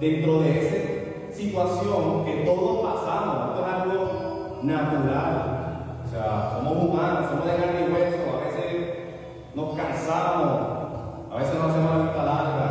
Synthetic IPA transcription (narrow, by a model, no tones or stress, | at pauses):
d̪ent̪ɾoðeese | sit̪wasjoŋket̪oðospasaamoet̪oenalɣo | nat̪uɾal | oseasomoβumanasomoðeɣaneɣwesoaβeses | nokansaβamos | aβeseznoas̬iamoseset̪alaea